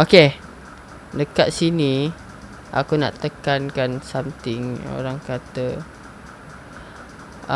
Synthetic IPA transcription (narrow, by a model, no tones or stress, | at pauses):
oke | dəkat̪̚sinĩ | ʔa̰kuna̰ʔt̪əkankansamt̪ɪŋo̰ɾaŋkat̪ə